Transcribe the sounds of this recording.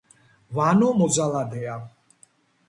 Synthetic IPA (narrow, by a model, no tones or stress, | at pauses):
vaːnɔmɔzalad̪ɛa